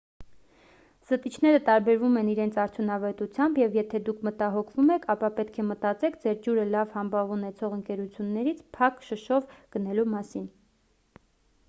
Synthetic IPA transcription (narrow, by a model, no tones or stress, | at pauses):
z̥ət̪it͡ʃʰnɛɾət̪ɑɾbɛɾvumɛniɾɛnt͡sʰɑɾt̪ʰjunɑvɛt̪ut͡sʰjɑmbjɛvjɛt̪ʰɛd̪ukʰmət̪ɑɦɔkʰvumɛkʰɑpɑpɛt̪kʰɛmət̪ɑt͡sɛkʰd͡zɛɾd͡ʒuɾəlɑvhɑmbɑvunɛt͡sʰɔʁəŋkɛɾut͡sʰjunːɛɾit͡sʰpʰɑkʃəʃɔvɡ̥ənɛlumɑsin